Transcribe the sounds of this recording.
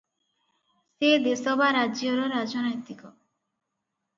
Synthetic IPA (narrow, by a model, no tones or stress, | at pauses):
sed̪esɔbaɾad͡ʒoɾoɾad͡ʒonɔjt̪ikɔ